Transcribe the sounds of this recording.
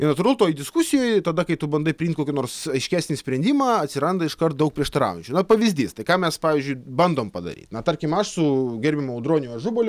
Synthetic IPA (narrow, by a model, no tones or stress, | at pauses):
ɪnɐt̪uːɾɐlˠt̪oːjd̪ʲɪskusʲɪjoːjt̪ɐd̪ɐkɐɪt̪ʊbɐnd̪ɐɪpʲɾʲɪimnt̪ʲkoːkʲɪnoːrsɐɪʃʲkʲæːsʲnʲɪsʲpʲɾʲɛnʲd̪ʲiːmɑːɐt̪ʲsʲɪɾɐnd̪ɐɪʃkɐrt̪̚d̪ɐʊkpɾʲiɛʃt̪ɐɾɑ̰ːʊʊnʲt͡ʃʲuːnɐpɐʋʲɪzʲd̪ʲiːst̪ɐɪkɑːmʲɛspɑːʋʲiːzʲd͡ʒʲʊɪbɐnd̪oːmpɐd̪ɐ̰ɾʲḭːt̪nɐt̪ɐɾʲkʲɪmɐʃsʊɡʲɛɾʲbʲɪmɐʊd̪ɾoːnʲʊɐʒʊbolʲʊ